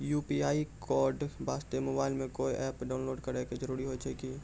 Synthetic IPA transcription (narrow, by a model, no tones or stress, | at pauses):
juːpiaːikɔːɾɖbaːst̪emoːbaːɪlmẽkoːiʔɛːpɖaːʊnloːɖkəɾeked͡ʒəɾuːɾiɦoːt͡ʃʰɐki